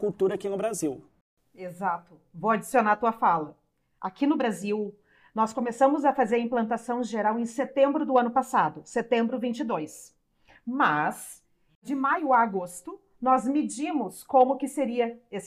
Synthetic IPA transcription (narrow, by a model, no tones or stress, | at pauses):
kuwt̪uɾɐakinʊbɾaziw | ezat̪ʊ | vowad͡ʒisionaɾɐt̪uɐfalɐ | akinʊbɾaziw | nɔskomesɐ̃mʊzɐfazeɾɐĩplɐ̃nt̪asɐ̃w̃ʒeɾawẽj̃set̪ẽmbɾʊd̪ʊɐ̃nʊpasad̪ʊset̪ẽmbɾʊvĩnt͡ʃɪd̪ojs | mɐs | d͡ʒɪmajʊaːɡost̪ʊ | nɔzmɪd͡ʒĩmʊskõmʊkɪseɾiɐes